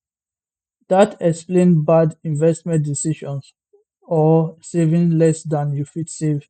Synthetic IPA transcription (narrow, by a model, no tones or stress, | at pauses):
datʰɛksplẽnbadĩnvɛstmɛ̃nt̚disiʃɔ̃ns | ɔsevĩŋlɛsdãnjufitsev